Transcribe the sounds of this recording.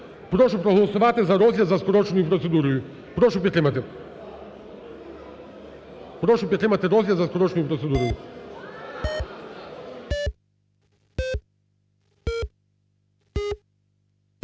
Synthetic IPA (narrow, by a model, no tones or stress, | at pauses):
pɾɔʃupɾoɦlˠɔsuʋat̪ɛzaɾɔzljazaskɔɾɔt͡ʃnujupɾɔt̪sɛd̪uɾuju | pɾɔʃupʲɛt̪ɛmat̪ɛ | pɾɔʃupʲɛt̪ʲimat̪ɛɾɔzjazaskɔɾɔt͡ʃnujupɾɔt̪sɛd̪uɾuju